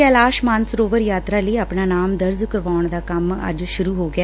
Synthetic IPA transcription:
ɛːlaːʃmãːnsɾoːʋəɾjaːt̪ɾaːləiːəpɳaːnaːmd̪əɾzkəɾʋaːʊɳd̪aːkəmə̰d͡ʒʃʊɾuːɦoːɡɪaː

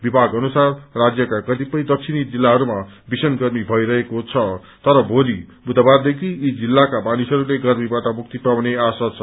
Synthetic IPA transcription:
bibʱaɡʌnusarːad͡zjʌkakʌt̪ipʌjd̪ʌk̚sʰinid͡zilːaɦʌɾuma | bisʌnɡʌrmibʱʌiɾʌɦekot͡sʰʌ | t̪ʌɾʌbʱolibʱud̪ʱʌbard̪ekʰiːd͡zilːakabanisɦʌɾuleɡʌrmibaʈʌmuk̚t̪ipawneasʌt͡sʰʌ

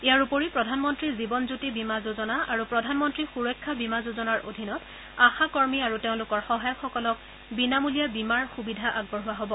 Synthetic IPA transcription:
ijaɹupoɹipɹɔdʱanmɔntɹizibɔnzutibimazuzɔnaʔaɹupɹɔdʱanmɔntɹixuɹɔjkʰːabimazuzɔnaɹʔo̰dʱinɔt | axakɔɹmiaɹuteʊ̃lʊkɔɹxɔɦajɔxɔkɔlɔk̚ | binamulijabimaɹxubidʱaʔaɡ̚bɔɹɦʊwaɦɔbɔ

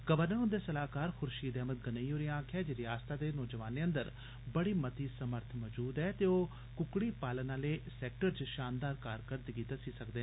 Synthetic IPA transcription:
kəʋəɾnəʊnd̪eːsəlaːkaːɾxʊɾʃiːd̪ɛːmət̪̚ɡənəioːɾiãːkʰjɛːd͡ʒeɾɪjaːst̪aːd̪eːnɔːd͡ʒəʋaːneːə̃nd̪əɾ | bəɽiːmət̪iːsəməɾt̪ʰmɔːd͡ʒuːd̪ɛːt̪eoː | kʊkɽiːpaːlənãːleːsɛːk̚ʈəɾt͡ʃʃaːnd̪aːɾkaːɾkəɾd̪ɡiːt̪əsiːsəkd̪eː

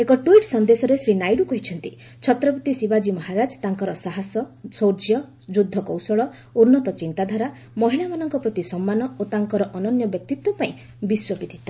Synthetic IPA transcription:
ekɔʈuiʈsɔnd̪esɔɾesɾinajɾukɔɦit͡ʃʰɔnt̪i | t͡ʃʰɔt̪ɾɔpɔt̪isibad͡ʒimɔɦaɾad͡ʒt̪aŋkɔɾɔsaɦasɔsoɾd͡ʒjɔ | d͡ʒud̪ʱːɔkɔwsɔɭɔ | uɾnɔt̪ɔt͡ʃint̪ad̪ʱaɾa | mɔɦilamanɔŋkɔpɾɔt̪isɔmːanɔot̪aŋkɔɾɔʔɔnɔnjɔbjɔk̚t̪it̪wɔpaĩ | biswɔpit̪ʰi̥t̪a

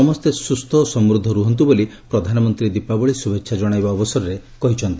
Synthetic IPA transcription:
ɔmɔst̪esust̪ʰɔsɔmɾud̪ʱːɔɾuɦɔnt̪ibolipɾɔd̪ʱanɔmɔnt̪ɾid̪ipabɔɭisubekʃʰad͡ʒɔɽ̃ajbaɔbɔsɔɾɔɾe | kɔɦit͡ʃʰɔnt̪i

